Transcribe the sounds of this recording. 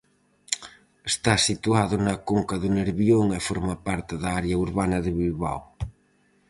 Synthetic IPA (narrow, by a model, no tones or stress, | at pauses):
est̪asit̪uaðʊnɐkoŋkɐðʊneɾβjoŋefoɾmɐpaɾt̪ɪðɐaɾjɐuɾβanɐðɪβilβa̰w